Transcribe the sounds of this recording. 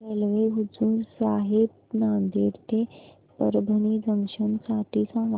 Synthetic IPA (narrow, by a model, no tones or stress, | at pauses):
elʋeɦud͡zuːɾsaːɦib | naːnd̪iːɾt̪ʰe | pəɾbʱənid͡zəŋɕənsaʈʰisãʋ